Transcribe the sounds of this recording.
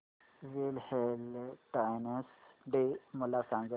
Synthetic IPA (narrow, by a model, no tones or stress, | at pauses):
zelhelʈajnəsɖemʊlːasãŋɡə